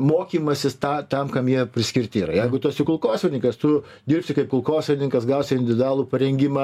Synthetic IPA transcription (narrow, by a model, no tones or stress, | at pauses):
moːkʲiːmɐsʲɪst̪ɐt̪ɐmkɐmjiɛpʲɾʲɪsʲkʲɪɾʲt̪ʲɪiːɾɐjɛɪɡʊt̪ʊɐsʲɪkʊlˠkoːsʲɪnʲɪŋkɐst̪ʊ | d̪ʲirʲpʲsʲɪkɐɪp̚kʊlˠkoːsʲʋʲɛnʲɪŋkɐsɡɐʊsʲɪɪnd̪ʲʋʲɪd̪ɑːlˠupɐɾʲɛŋʲɡʲɪmɐ